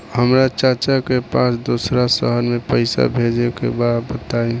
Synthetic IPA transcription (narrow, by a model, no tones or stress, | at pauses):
həmɾat͡ʃat͡ʃakepasd̪osɾasə̰ɦəɾmẽpəɪsa̰bʱed͡ʒekḛbad̪bət̪aĩ